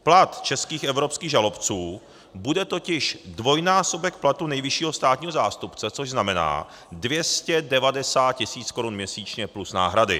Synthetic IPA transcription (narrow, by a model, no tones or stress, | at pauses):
plat̪t͡ʃɛskiːxʔɛvɾo̞pskiːɣʒalo̞pt͡suː | budɛt̪o̞cɪʃdvo̞jnaːso̞bɛk̚plat̪unɛjvɪʃiːɦo̞st̪aːt̪ɲiːɦozaːst̪upt͡sɛt͡so̞ʒznamɛna̰ː | dvjɛscɛdɛvadɛsaːt̪̚cɪsiːt͡sko̞ɾunmɲɛsiːt͡ʃɲɛplusna̰ːɦɾadɪ̰